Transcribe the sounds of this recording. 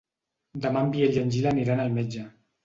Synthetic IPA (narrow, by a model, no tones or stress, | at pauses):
d̪əmambieʎənʲʒilaniɾanalˠmed͡ʒə